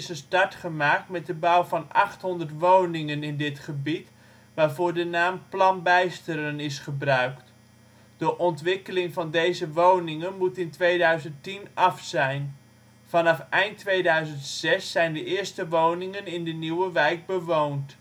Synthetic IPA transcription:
ɪsənstɑɹtχəmaːk̚tmɛt̚dəbawvɑnɑ̰χtɦɔndərtʋownɪŋənɪndɪtχəbit | ʋaːrvʊːɹdənaːmplɑnbɛjstəɾənɪsχəbrœɥkt | d̥əʔɔntʋɪkəlɪŋvɑndejzəʋownɪŋənmutɪntʋejdœɥzəntinɑfsɛjn | fɑnɑfɛjntʋejdœɥzəntsɛsːɛjndəɪːɹstəʋownɪŋənɪndəniwəʋɛjk̚bəʋownt

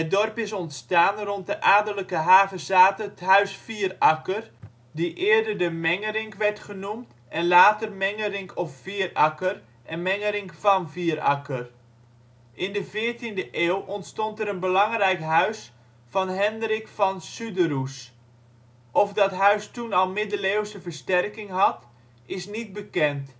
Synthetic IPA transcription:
ədɔrpɪsɔntstaːnrɔnt̚dəʔaːdələkəɦaːvəzaːtətɦœɥsfiərɑkər | diʔɪːɹdədəmɛŋəɾɪŋkʋɛɹtχənumt | ɛnlaːtərmɛŋəɾɪŋkɔffiːərɑkər | ʔɛnmɛŋəɾɪŋkfɑnviərɑ̰kər | ʔɪndəvɪəɹtindəʔeːwʔɔntstɔntɛɾənbəlɑŋrɛjkɦœɥs | fɑnɦɛndrɪkfɑnsydəɾus | ʔɔfdɑtɦœɥstunɑlˠmɪdəleːwsəvəɹstɛrkɪŋɦɑt | ɪsnit̚bəkɛnt

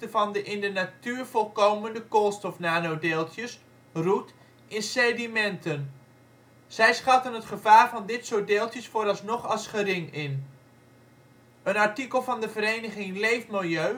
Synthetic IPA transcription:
təvɑndəʔɪndənatyːɹv̥ɔlˠkowməndəkolˠstɔfnaːnowdeːlˠtjəs | rut | ʔɪnsɛdimɛntən | z̥ɛjsχɑtənɦətχəvaːɹvɑndɪtsowdeːlˠtjəsfoːɾɑlˠsnɔχɑlˠsχəɾɪŋɪn | ənɑɹtikəlˠvɑndəvəɾejnəχɪŋlejfmɪlˠjøɥ

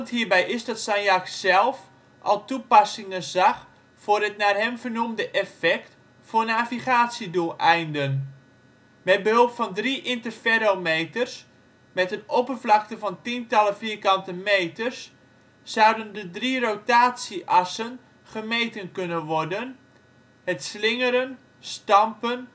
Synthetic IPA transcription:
nthiːrbɛjʔɪsdɔtsɛjnjaksɛlˠf | ʔɔ̰lˠtupɑsɪŋənzɑx | fʊːrətnaːrɦɛmvərnumdəʔɛfɛkt | fʊənaviχaːtsidulˠʔɛjndən | mɛt̚bəhɵlˠpfɔndriʔɪntərfɛɾomeːtərs | mɛtənopərvlɑk̚təvɑntintɑləfiːrkɑntəmejtərsː | ʌwdəndədrirotaːtsiʔɑsən | χəmejtənkɵnəʋɔrdən | hətslɪŋəɾən | stɑmpən

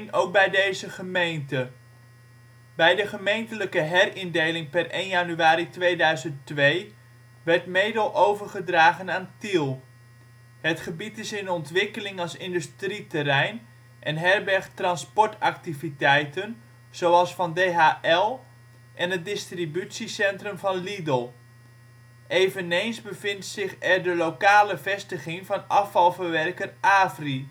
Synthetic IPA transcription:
nowk̚bɛjdejzəχəmejntə | bɛjdəχəmejntələkəɦɛrɪndejlɪŋpɛrejnjanyaːɾitʋejdœɥzəntʋej | ʋɛrtmeːdəlˠʔowvərχədraːχənaːntilˠ | hətχəbitɪsɪnɔntʋɪkəlɪŋɑlˠsɪndystritərɛjn | ʔɛnɦɛrbɛrχtrɑnspɔɹtak̚tivitɛjtən | z̥owɑlˠsfɑndejɦaːʔɛlˠ | ʔɛnət̚dɪstribysisɛntrəmvɑnlidəlˠ | ʔeːvənejnsbəvɪntsɪχɛrdəlokaːləvɛstəχɪŋvɑnɑfɑlˠvərʋɛrkərʔaːfri

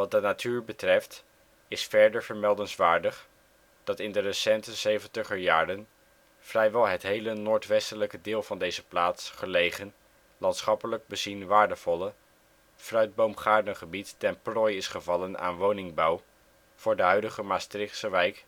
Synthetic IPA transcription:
ʋɑt̚dənatʰyːɹbətrɛft | ɪsfɛɹdəɹvəɹmɛlˠdənsʋaːɹdəχ | d̥ɑtɪndərəsɛntəzejvəntəχəjaːrən | frɛjʋɛlˠɦətɦejlənoːɹtʋɛstələkədɪːlˠvɑndejzəplaːtsχəlejχən | lɑntsχɑpələɡ̚bəzinʋaːɹdəv̥ɔlə | frœɥd̚bowmχaːɹdənχəbitːɛnprɔjɪsχəvɑləna̰ːnʋownɪŋbɑw | v̥ʊːɹdəɦœɥdəχəmaːstrɪχsəʋɛjk

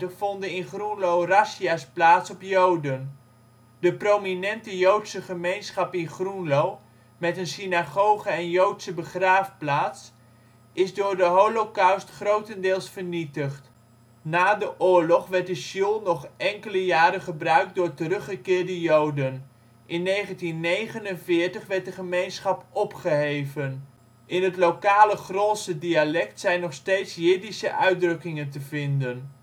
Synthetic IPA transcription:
əfɔndəɪnχrunlowrasiasplaːtsɔpjowdən | dəprominɛntəjowtsəχəmejnsχɑpɪnχrunlow | mɛtənsinaχowχəɛnjowtsəbəχraːfplaːts | ɪzdʊːɹdəɦowlokawstχrowtəndɪːlˠsfəɹnitəχt | naːdəʔʊːɹlɔχʋɛɹt̚dəʃilˠnɔχʔɛŋkələjaːɾəχəbrœɥk̚dʊːɹtərɵχəkɪːɹdəjowdən | ʔɪnːejχəntinːejχənənvɪːɹtəχʋɛɹt̚dəχəmejnsχɑpɔpχəɦejvən | ʔɪnɦətlowkaːləχroːsədialɛktsɛjnɔχstejtsjɪdisəʔœɥ̚drɵkɪŋəntəvɪndən

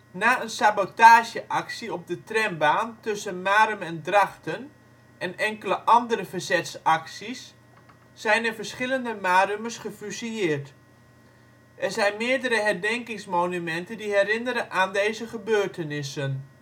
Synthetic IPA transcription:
naːənsabotaːʒjəʔaksiɔb̚dətrɛmbaːntɵsənmaːɾəmɛndraxtən | ʔɛnɛŋkələʔɑndəɾəfərzɛtsaksisː | ɛjnərvəɹsχɪləndəmaːrøməsχəfysiɪːrt | ʔɛɹzɛjnmɪːərdəɾəɦɛrdɛŋkɪŋsmoːnymɛntəndiɦɛrɪnəɾəʔaːndeːzəχəbøːrtənɪsən

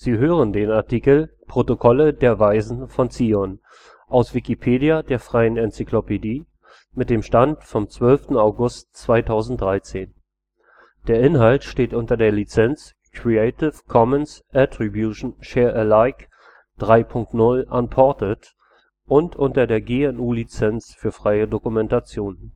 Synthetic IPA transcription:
z̥iːɦøːʁ̞əndeːnaɐtʰikl̩pʁ̥otokʰɔlədeːɐvaɪzn̩fɔnt͡siːɔn | ʔaʊsv̥ikipʰeːdiadeːɐfʁ̥aɪənɛnt͡siklopediː | mɪt̚d̥eːmʃtantfɔmt͡sv̥œlftn̩aʊɡʊstt͡sv̥aɪtʰaʊzn̩t̚d̥ʁaɪt͡seːn | d̥eːɐʔɪnɦaltʃteːtʔʊntɐdeːɐlit͡sɛnt͡s | kʁ̥ieɪtɪfkʰɔmənsʔɛtʁ̥ibjuʃn̩ʃɛːɐʔəlaɪk | d̥ʁaɪpʰʊŋk̚tnʊlʔanpʰɔɐtət | ʔʊntʰʔʊntɐdeːɐɡeːɛnuːlit͡sɛnt͡sfyːɐfʁ̥aɪədokumɛntat͡sjoːn

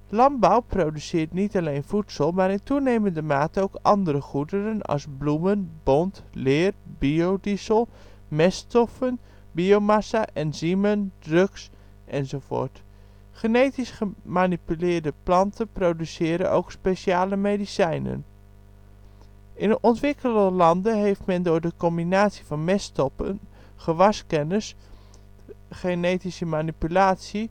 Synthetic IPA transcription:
lɑnbawprowdysɪːtnitalejnfutsəlˠmaːɾɪntunejməndəmaːtəowkʔɑndəɾəχudərənɑ̰sblumənbɔntlɪːrbiowdizəlˠ | mɛstɔfən | biomasaʔɛnziməndrøks | ʔɛnzowvo̰ːɹt | χənejtisχəmaːnipylɪːɹdəplɑntʰənprowdysɪːɾə̰no̰wkspeʃiaːləmejdisɛjnə̰n | ʔɪnənʔɔntʋɪkələlɑndənɦejftmɛndʊːɹdəkɔmbinaːtsivɑnmɛstɔpə̰n | χəʋɑskɛnəs | χenejtisəmaːnipylaːtsi

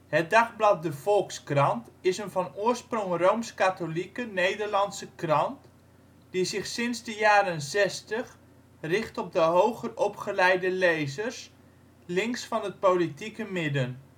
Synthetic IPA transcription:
hət̚dɑχblɑt̚dəv̥ɔlˠkskrɑntɪsənvɑnʊːrsprɔŋrowmskatolikənejdərlɑnsəkrɑnt | d̥izɪχsɪnzdəjaːɾənzɛstəχ | rɪχtɔb̚dəɦowχərɔpχəlɛjdəlejzərs | lɪŋksfɑnɦət̚powlitikəmɪdən

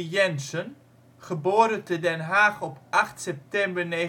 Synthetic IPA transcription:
jɛnsən | χəboːɾətədɛnɦaːχɔpʔɑχtsɛp̚tɛmbəɹneː

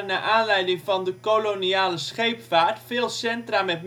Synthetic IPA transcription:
naːʔaːnlɛjdɪŋvɑndəkoloniaːləsχejpfaːɹtfɪːlˠsɛntraːmɛtm

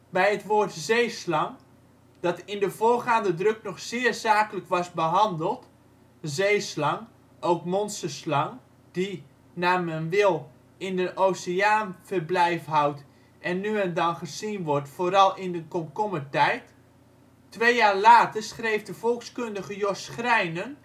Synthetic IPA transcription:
bɛjətʋoːrtzejslɑŋ | d̥ɑtɪndəvoːrχaːndədrɵknɔχsɪːrzaːkələkʋɑsbəɦɑndəlˠt | zejslɑŋ | owkmɔnsəslɑŋ | d̥i | naːmɛnʋɪlˠ | ɪndəʔowsəaːnv̥ərblɛjfɦawt | ʔɛnːyɛndɑnχəzinʋɔrtfoːɾɑlˠɪndəkɔmkɔmətɛjt | tːʋejjaːrlaːtərsχrejvdəvɔlˠkskɵndəɣəjɔsχrɛjnən

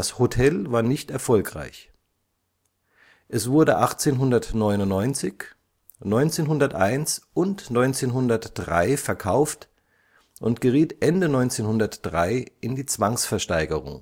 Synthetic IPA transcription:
ashotʰɛlvaːɐnɪçtɛɐfɔlkʁ̥a̰ɪç | ʔɛsv̥ʊɐdəʔaχt͡seːnɦʊndɐtnɔʏnʊnnɔʏnt͡sɪç | nɔʏnt͡seːnɦʊndɐtʔaɪnsʔʊntnɔʏnt͡seːnɦʊndɐtd̥ʁa̰ɪfɛɐkʰaʊft | ʔʊntɡ̥əʁiːtʔɛndənɔʏnt͡seːnhʊndɐtd̥ʁaɪʔɪndiːt͡sv̥aŋsfɛɐʃtaɪɡəʁʊ̰ŋ

